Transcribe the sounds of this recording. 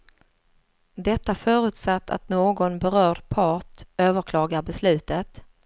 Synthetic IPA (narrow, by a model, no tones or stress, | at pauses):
d̪ɛt̪ːafœːɾʉ̟ːt̪sat̪ːa̰t̪noːɡɔnbɛɾœːɖpʰɑːʈøːvəɾkʰlɑːɡaɾbɛslʉ̟ːt̪ət̪